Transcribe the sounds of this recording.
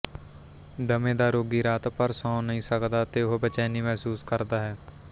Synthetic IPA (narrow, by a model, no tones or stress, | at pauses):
d̪əmẽːd̪aːɾoːɡiːɾaːt̪pəɾsɔ̃ːnəɦĩːsəkd̪aːt̪eːʊɦbət͡ʃɛːniːmɛɦsuːskəɾd̪aːɦɛː